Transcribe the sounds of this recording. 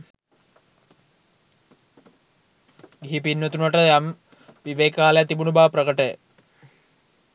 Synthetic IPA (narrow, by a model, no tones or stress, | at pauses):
ɡiɦip̬inːot̪unɐʈəjam | ʋiʋeːkaːlejat̪ibunubaːprɐkəʈə